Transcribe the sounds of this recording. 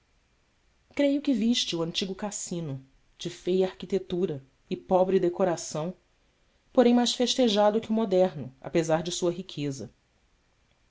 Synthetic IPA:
kɾejʊkɪviʃt͡ʃɪuɐ̃nt͡ʃiɡʊkasĩnʊ | d͡ʒɪfejaɾkit̪et̪uɾɐ | ɪpɔbɾɪd̪ekoɾasɐ̃w̃ | poɾẽj̃majʃsfeʃt̪eʒad̪ʊkɪʊmod̪ɛɾnʊa̰pezaɾd͡ʒɪsuɐɦikʰezɐ̰

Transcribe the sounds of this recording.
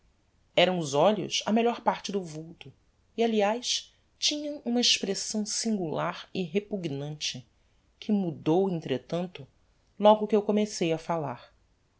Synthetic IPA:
ɛɾɐ̃w̃ʊzɔʎʊ̰sɐmeʎɔɾpaɾt͡ʃɪd̪ʊvuwt̪ʊ | ialiajs | t͡ʃĩɲɐ̃w̃ũmɐiʃpɾesɐ̃w̃sĩŋɡulaɾɪɦepuɡnɐ̃nt͡ʃɪ | kʰɪmud̪owẽnt̪ɾet̪ɐ̃nt̪ʊ | lɔɡʊkɪewkomesejɐfalaɾ

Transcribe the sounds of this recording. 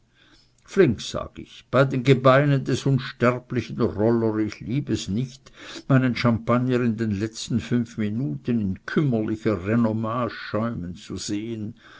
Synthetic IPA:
flɪŋksa̰ːɡ̥ɪ̰çb̥aɪdeːnɡəbaɪnəndɛsʊnʃtɛʁplɪçənʁɔləʁɪçliːbɛsnɪçtmaɪnənʃampanjənɪndeːnlɛt͡stn̩fʏnfminuːtənɪnkʰʏməlɪçɐʁenomaːsʃɔʏmənt͡suz̥eːən

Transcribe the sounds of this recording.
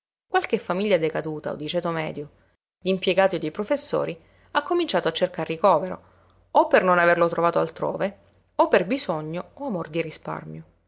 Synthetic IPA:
kwalkefːamiʎːad̪ekad̪uːt̪a̰o̰d̪ːit͡ʃɛt̪omɛ̰ːd̪jo | d̪impjeɡaːt̪jod̪ipɾofesːo̰ːɾi | akːomint͡ʃaːt̪oat͡ʃːerkarːikɔːveɾo̰ | opːernonaverlot̪ɾovaːt̪oa̰lt̪ɾo̰ːve | opːerbizoɲːooamord̪irispa̰rmjo

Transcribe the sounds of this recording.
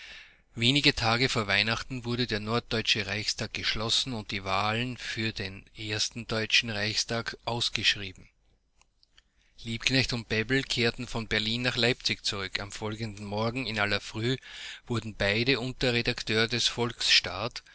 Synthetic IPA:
veːnɪɡətʰaːɡəfoːɐvaɪnaχtn̩vʊɐɾədeːɐnɔɐt̚d̥ɔʏt͡ʃəʁaɪçstʰaːk̚ɡ̥əʃlɔsn̩ʊnt̚d̥iːvaːlənfyːɐdenʔeɐstn̩d̥ɔʏt͡ʃn̩ʁaɪçstʰaːkʔaʊsɡ̥əʃʁiːbm̩ | liːpknɛçtʊnt̚b̥ɛbl̩kʰeːɐtn̩fɔnbɛɐliːnːaχlaɪp̚t͡sɪçt͡suʁʏkʰamfɔlɡəndn̩mɔɐɡŋ̩ɪnalɐfʁ̥yːv̥ʊɐdn̩b̥aɪdəʔʊntɐʁedaktʰøːʁədɛsfɔlksʃtaːt

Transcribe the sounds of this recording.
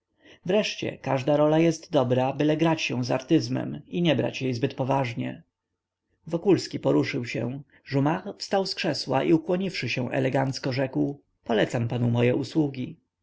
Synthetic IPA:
vɾɛʂt͡ɕɛ̰kaʐd̪aɾɔlajɛst̪d̪ɔbɾabɘlɛɡɾat͡ɕɕɛw̃zaɾt̪ɘzmɛ̰miɲɛbɾa̰t͡ɕjɛjzbɘt̪̚pɔvaʐɲɛ̰ | vɔkulskʲipɔɾuʂɘwɕɛ̃ | ʐumaxfst̪awskʂɛswa̰ʔiukwɔɲifʂɘɕɛw̃ʔɛ̰lɛɡant̪skɔʐɛkw | pɔlɛt̪sampanumɔjɛʔuswuɡʲi

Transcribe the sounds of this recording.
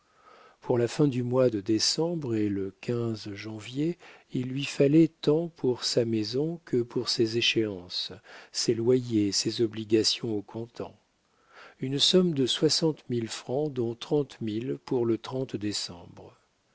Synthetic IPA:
pʰuʁlafɛ̃d̪ymwad̪əd̪esɑ̃bʁeləkʲʰɛ̃zʒɑ̃vjeilːɥifalɛt̪ɑ̃pʰuʁsamezɔ̃kʰəpʰuʁsezeʃeɑ̃sselwajesezɔbliɡʲasjɔ̃okʰɔ̃t̪ɑ̰̃ | ynsɔmd̪əswasɑ̃t̪milfχɑ̃d̪ɔ̃t̪χɑ̃t̪milpuʁlət̪χɑ̃t̪d̪esɑ̃bʁ

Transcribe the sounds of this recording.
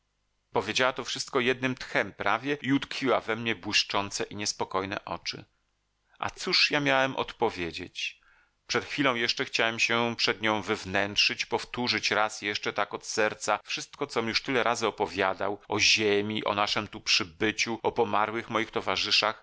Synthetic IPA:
pɔvʲjed͡ʑawat̪ɔfʂɘst̪̚kɔjɛd̪̚nɘmt̪xɛmpɾʔavʲjɛiut̪kfʲiwavɛmɲɛbwɘʂt͡ʂɔnt̪sɛʔiɲɛspɔkɔjnɛ̰ʔɔ̰t͡ʂɘ̰ | ʔa̰t̪suʂjamʲjawɛmʔɔ̰t̪pɔvʲjed͡ʑḛt͡ɕ | pʂɛt̪xfʲilɔ̃w̃jɛʂt͡ʂɛxt͡ɕawɛmɕɛpʂɛd̪ɲɔ̃w̃vɛvnɛntʂɘt͡ɕpɔft̪uʐɘt͡ɕɾasjɛʂt͡ʂɛt̪akɔt̪sɛɾt̪safʂɘst̪kɔt̪sɔmʲjuʂt̪ɘlɛɾʔazɘɔpɔvʲjad̪a̰wʔɔʑemʲiʔɔ̰naʂɛmt̪upʂɘbɘt͡ɕuɔpɔmaɾwɘxmɔjixt̪ɔvaʐɘʂax

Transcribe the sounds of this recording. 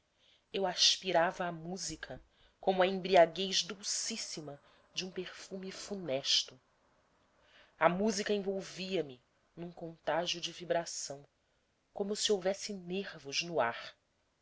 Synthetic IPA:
ewaʃpiɾavɐːmuzikʰɐ | kõmʊɐẽbɾiaɡejʒd̪uwsisimɐ | d͡ʒɪũpeɾfumifunɛʃt̪ʊ | ɐmuzikɐẽvowviɐmɪ | nũkõnt̪aʒjʊd͡ʒɪvibɾasɐ̃w̃ | kõmʊsiowvɛsɪneɾvʊʒnʊaɾ

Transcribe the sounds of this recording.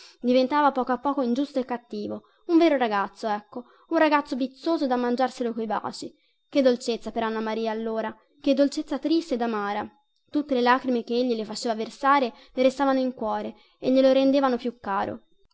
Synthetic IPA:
d̪ivent̪aːvapɔːkoapːɔːkoind͡ʒust̪oekːat̪ːiːvo | uɱvɛːɾoɾaɡat̪sːoɛkːo | unraɡat̪sːobit̪sːoːzod̪amːand͡ʒarselokojba̰ːt͡ʃi | k̟ed̪ːolt͡ʃet̪sːapeɾanːamaɾiːaːlːoːɾa | k̟ed̪ːolt͡ʃet̪sːat̪ɾist̪ed̪amaːɾa | t̪ut̪ːelelaːkɾimek̟eeʎːilefat͡ʃeːvaversaːɾe | leɾest̪aːvanoiŋkwɔːɾe | eʎːeloɾend̪eːvanopjukːaːɾo̰

